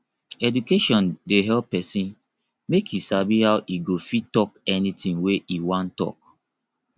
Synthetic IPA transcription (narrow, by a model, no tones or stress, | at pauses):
ɛdukeʃɔ̃ndeɦɛlppːɛsĩn | mekʰjisabihawʔiɡofitɔkɛnitĩnweʔiwãntːɔ̰k̚